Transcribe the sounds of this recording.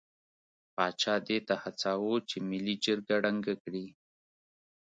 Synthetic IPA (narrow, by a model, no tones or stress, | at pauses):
pɑt͡ʃɑd̪et̪ahat͡sawot͡ʃemɪlid͡ʒəɾɡaɽaŋɡakɽi